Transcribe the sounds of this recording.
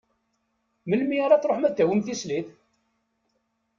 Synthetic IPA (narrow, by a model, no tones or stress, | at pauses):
məlmiaɾˤɑt͡sɾˤoħmæd̪ːæwəmθisliθ